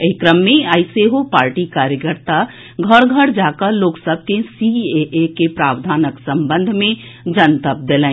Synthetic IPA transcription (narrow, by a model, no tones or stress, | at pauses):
eɪkɾəmːẽaɪseɦopaːɾʈikaːɾjəkəɾt̪a | ɡʱəɾɡʱəɽd͡ʒaːkəɾloːksəb̚ʱkesieʔekepɾaːwd̪ʱaːnəksə̃mbə̃nd̪ʱmẽd͡ʒənt̪əp̚d̪elɛ̃